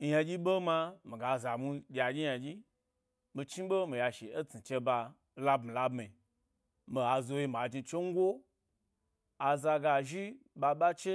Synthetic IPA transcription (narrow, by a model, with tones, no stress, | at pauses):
ja˧d͡ʒʲi˦ɓo˦ma˧mi˨ɡa˨za˨mu˧d͡ʒʲa˨ɡʲi˦ja˧d͡ʒʲi˦ | mi˧t͡ʃi˦ɓo˦mi˨ja˧ʃe˨e˦t͡si˨t͡ʃe˧ba˧ | la˦bmĩ˨la˦bmi˨ | mi˨a˨zo˧ji˧m˨a˨d͡ʒi˧t͡ʃe˦ŋ̩˦ɡʷo˦ | a˨za˧ɡa˧ʒi˦ba˧ɓa˦t͡ʃe˦